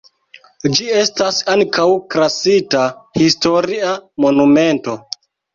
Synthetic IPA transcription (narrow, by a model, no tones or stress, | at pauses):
d͡ʒie̞stasaŋkʰawkɾasitahisto̞ɾiamo̞nume̞nto̞